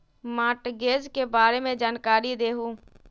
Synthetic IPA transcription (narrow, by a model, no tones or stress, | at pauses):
maːʈɡeːzkebaːɾemẽd͡ʒaːnkaːɾid̪eːɦũː